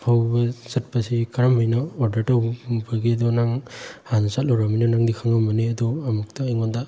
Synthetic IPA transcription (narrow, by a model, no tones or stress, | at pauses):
pʰawbɐsɐt̚pasikaɾamɔjnɔɔɾdɐɾtawbɐɡidɔnaŋhansat̚loɾamanɔnaŋdikʰaŋamɐneɐdɔamuk̚taiŋɔnda